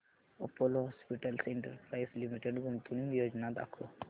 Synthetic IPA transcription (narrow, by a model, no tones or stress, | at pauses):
opolɦɔspiʈəlsiɳʈəɾpɾajslimiʈeɖɡunt̪uniŋɡjod͡ʒnad̪a̰kʰo